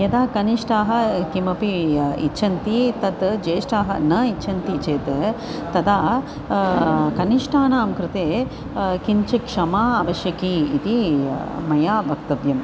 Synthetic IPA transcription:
jɐd̪aːkɐniʂʈaːɦɐ̆kimɐpiḭtːt͡ʃʰɐnt̪it̪ɐt̪d͡ʒeːʂʈaːɦɐ̰nɐitːt͡ʃʰɐnt̪it͡ʃeːt̪ | t̪ɐd̪aː | kɐniʂʈaːnaːmkɾɪt̪eː | kiɲt͡ʃɐkʂɐmaːɐʋɐʃjɐkiːt̪imɐjaːbʱɐk̚t̪ɐʋjɐm

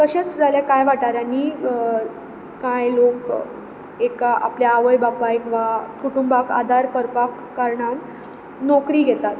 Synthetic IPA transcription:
k̪əɕẽt͡sd͡zʱaljakajʋ̤aʈaɾani | kajlok | ekaʔa̰pljaːʋəjbapaekʋakuʈumbaka̰d̪ʱaɾkəɾpakːaɾɳan | nɔkɾiːɡʱet̪at̪

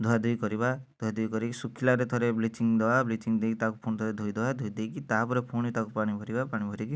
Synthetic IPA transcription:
d̪ʱuad̪ʱujkɔɾibad̪̥ʱuad̪ʱujkɔɾikisukʰːilaɾet̪ʰɔɾeblit͡ʃiŋd̪ebablit͡ʃiŋd̪ekit̪akupʰuñt̪ʰɔɾed̪ʱujd̪ewad̪ʱujd̪ekit̪aɦpɔɾepʰuɽ̃et̪akupaɽ̃ibʱɔɾibapaɽ̃ibʱɔɾiki

